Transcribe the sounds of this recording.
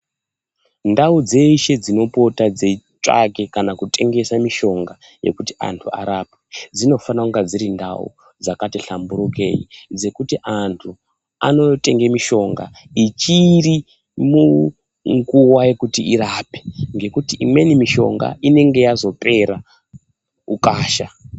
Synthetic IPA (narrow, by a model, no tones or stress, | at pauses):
ndaud͡ze̞iʃe̞d͡zino̞po̞tad͡zet͡ʃʼa̰ke̞kanakutʰʼe̞ŋɡe̞samiʃo̞ŋɡa | je̞̰kutia̰ntʰua̰ɾaped͡zino̞fanakuŋɡad͡ziɾinda̰ṵ | d͡zakatiɬambuɾuke̞̰jḭd͡ze̞kutiʔantʰu | a̰no̞te̞ŋɡe̞miʃo̞ŋɡa̰ | it͡ʃiri | mu | ŋɡuwaje̞kutiiɾapeŋɡe̞kutiʔimwe̞nimiʃo̞̰ŋɡa̰ine̞ŋɡe̞jazo̞pʰe̞ɾa | ukaːʃa